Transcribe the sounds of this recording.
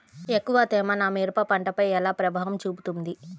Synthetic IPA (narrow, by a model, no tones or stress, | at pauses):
ekːuʋat̪ɛːmɐnaːmeːɾupɐpɐɳʈɐpɐjɛlaːpɾɐbʱaːʋɐmt͡ʃuːput̪und̪i